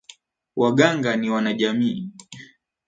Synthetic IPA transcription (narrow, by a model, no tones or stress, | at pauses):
waɠaŋɡaniwanaʄamiː